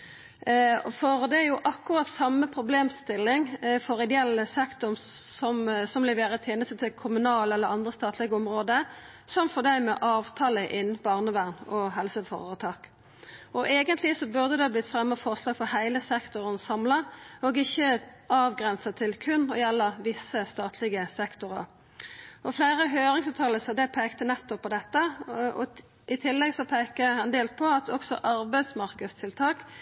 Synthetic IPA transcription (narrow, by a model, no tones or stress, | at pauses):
fɔʁd̪ɛjʊʔɑkːʊʁɑt̪sɑmːəpʰʁʊbleːmst̪ɪlːɪŋfoʁɪd̪ɛɛlːəsɛkt̪ʊmsɔmsɔmlɛʋeːɾət̪ʰjeːnəst̪ət̪ʰɪkʰʊmʉnɑːlɛlːəʁɑnd̪ʁəst̪ɑːt̪ʰlɪɡɔmʁoːd̪ə | sɔmfɔʁd̪æɪmɛʔɑːʋt̪ʰɑːləʔɪnb̥ɑʁnəʋæʁnɔɦɛlsəfo̰ʁət̪ʰɑːk | ɔʔeːɡənt̪lɪsɔbʉʁd̪əd̪ɛhɑblɪt̪fʁɛmːəfɔʁslɑːɡfɔhæɪləsɛkt̪ʊʁənsɑmlɑɔɡɪçːə | ɑːʋɡʁɛnsɑt̪ʰɪlkʰʉnːɔjɛlːəʋɪsːəst̪ɑːt̪ʰlɪɡəsɛkt̪ʊʁə̰ | ɔflæɪʁəɦøːɾɪŋsɑʋt̪ʰɑːləsɑd̪ɛpʰeːkt̪ənɛt̪ːɔpʰːɔd̪ɛt̪ːəɔ̰ | ɪt̪ʰɪlːɛɡsɔpʰeːkəhɛnd̪eːlt̪̚pʰɔɑt̪ɔksɔ̰ʔɑʁbæɪd̪smɑʁkəd̪st̪ʰɪlt̪ʰɑːk